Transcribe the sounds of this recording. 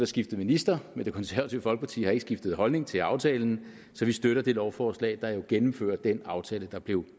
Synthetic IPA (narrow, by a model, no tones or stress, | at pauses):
d̥ɑsɡ̥ifd̥əð̩ˠminisd̥ɐmend̥e̝kʰɒ̽nsæɐæt͡sʰḭʊəfɒ̽lɡ̥əpʰɑ̈t͡sʰḭːhɑe̝ɡ̥əsɡ̥ifd̥ð̩ˠɦɒ̽lne̝ŋt͡sʰe̝lɑ̈ʊt͡sʰɛːln̩ | sɒ̽ʋisd̥øɾɐd̥e̝lɒʊfɒːslɛ̰ːɪd̥ɑ̈jo̝ɡ̥enm̩fø̰ːɐd̥enɑ̈ʊt͡sʰɛːləd̥ɑ̈b̥le̝ʊ